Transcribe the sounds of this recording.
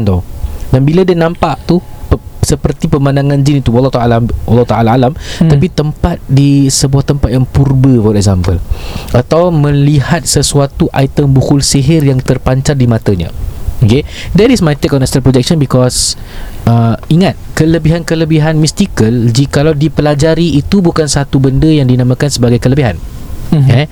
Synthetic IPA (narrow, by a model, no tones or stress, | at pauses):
nt̪odanbiladiənãmpaʔt̪upəsəpərt̪ipəmãndaŋãnd͡ʒinit̪uwalːɔt̪aalamwalːɔht̪aalaːlamt̪apit̪əmpat̪̚disəbuaht̪əmpat̪̚jaŋpurbəfɔɾɛk̚zampəlʔat̪awmə̃lihat̪̚səsuat̪uʔajt̪əmbukulsiɦɪrjaŋt̪ərpaɲt͡ʃardimãt̪əɲə̰okedɛɾismajt̪ekɔnɛsənalpɾod͡ʒɛk̚ʃɔ̃nbikɔs | əiŋat̪̚kələbiɦankələbiɦanmist̪ikəld͡ʒikalawdipəlad͡ʒaɾiːt̪ubukansat̪ubəndəjaŋdinãmãkansəbaɡajkələbiɦan | ɛ